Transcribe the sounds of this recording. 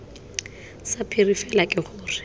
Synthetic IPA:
sapʰirifɛlakʼɪχʊːrɪ̥

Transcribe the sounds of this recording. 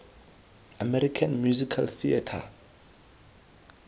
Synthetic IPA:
amɛɾikʰãnmjuzikʰalθia̰tʰa̰

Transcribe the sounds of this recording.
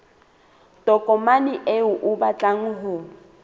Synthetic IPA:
tʼɔkʼɔmaniʔeʊʔʊbat͡ɬʼaŋ̩ɦʊ

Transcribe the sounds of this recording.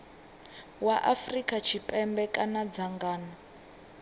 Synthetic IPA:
waʔafrikʼat͡ʃʰipʼɛmbɛkʼanad͡zaŋɡaːna

